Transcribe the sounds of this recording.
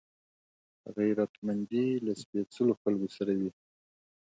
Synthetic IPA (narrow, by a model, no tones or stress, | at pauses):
ɣajɾat̪mand̪ilaspesəloxalkosaɾawi